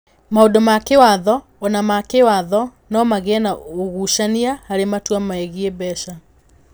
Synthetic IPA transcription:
maodomakewaðɔː | namakewaðɔ | nɔmaɣeɛnaoɣuʃaniahaɾematwamaɛɣiebɛʃa

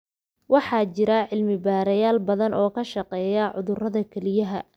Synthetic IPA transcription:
wɑħɑːt͡ʃɪɾɐʕɪlmɪbaːɾɐjaːlbɐðɐnʔɔːkʰɐʃɑqɛːjɐʕʊðʊrɐðɐkʰɛlɪjɐɦɐ

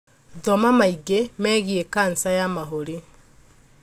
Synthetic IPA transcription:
ðɔmamaiɡemɛɣiekansajamaɦoɾi

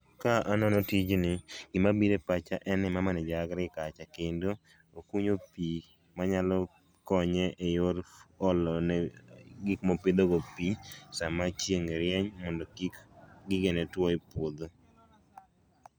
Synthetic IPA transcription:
kaʔanɔnɔtid͡ʒnɪɡɪmabiɾepat͡ʃaʔɛnɪmamanɛd͡ʒaɡɾɪkat͡ʃakendo | okuɲopi | maɲalɔ | kɔɲɛʔejorɔlɔn | ɡɪkmopɪd̪oɡopisamat͡ʃjeŋɾjɛɲmɔndɔiɡɪɡenɛtwɔpwod̪o

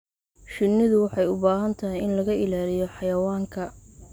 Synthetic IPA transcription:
ʃɪnːɪðʊwɑħɑjʊbaːɦɐnt̪ʰɐɦɪjɪnlɐɣɐʔɪlaːlɪjɔħɑjɐwaːŋkʰɐ

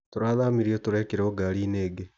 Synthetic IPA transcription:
toɾaːðaːmiɾiotoɾeːkeɾeoɡaɾiːneːɡe

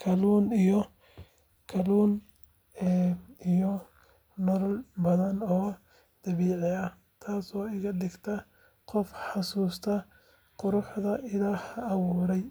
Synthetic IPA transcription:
kʰɐluːnijɔ | kʰɐluːnː | ijɔ | nɔlɔlbɐðɐnɔː | d̪̥ɐβiːʕɪɐ | t̪ʰaːsɔːɪɣɐdɪɡt̪ʰɐ | qɔfħɑsuːst̪ʰɐ | qʊɾʊħðɐʔɪlaːhːwuːɾɛj

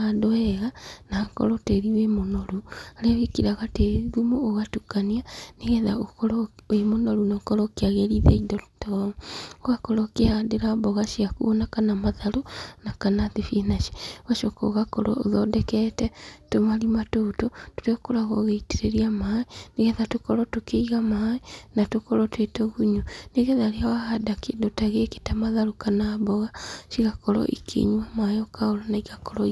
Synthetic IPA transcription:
adoɛɣanakɔ̰ɾɔteɾiwemonoɾuaɾeɣekiɾaɣateðumoːɣatukanianeɣɛðaokɔɾwemonoɾunakɔɾɔkeaɣeɾiðeidɔtoɣakɔɾɔkeadeɾabɔɣaʃiakuonakanamaðaɾonakanaðefienaʃe̥waʃoko̰ɣakoɾɔ̰oðɔdɛkɛtɛtomaɾimatototoɾekoɾaɣoɣeiteɾeɾiamaeneɣɛðatokoɾɔtokeiɣamaenatokoɾɔtwetoɣuɲuneɣɛðaɾeawahadakedotaɣeke̥tamaðaɾokanabɔɣaʃiɣakɔɾɔ̰ʔḭkʰḛɲwamajɔkaoɾonaiɣakɔɾɔ

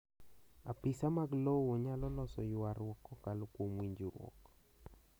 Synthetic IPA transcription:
a̰pɪsamaɡlowoɲalɔlɔsɔjʊaɾwɔkːɔkalokwomwiɲd͡ʒiɾɔ̰k

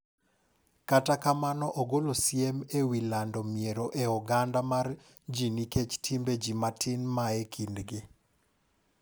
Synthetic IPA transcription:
katakamanɔʔoɡolosjemewilandɔmieɾoʔeɔɡandamar | d͡ʒiniket͡ʃtʰimbed͡ʒimatʰɪnmaekʰindɡɪ

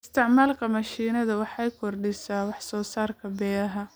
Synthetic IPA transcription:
ɪst̪ʰɪʕmaːlkʰɐmɐʃiːnɐðɐwɑħɑjkʰɔrɖɪsaːwɑħsɔːsaːrkʰɐbɛːɐɦɐ

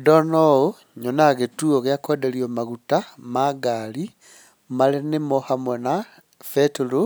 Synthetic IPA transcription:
dɔnɔo | ɲonaɣetuoɣeakodeliomaɣutamaɡali | malenemohamwena | fetulu

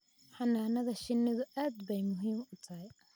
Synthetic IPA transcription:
ħɑnaːnɐðɐʃɪnɪðʊʔaːd̪bɛjmʊɦiːmʊt̪ʰɐɦɛj

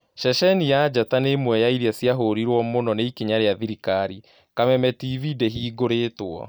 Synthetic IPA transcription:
ʃɛʃɛnijad͡ʑatanemwɛjaiɾiasjaɦoɾiɾwɔmonɔneikeɲaɾeaðiɾikaɾi | kamɛmɛtivideɦiːɡoɾeːtwɔ̰

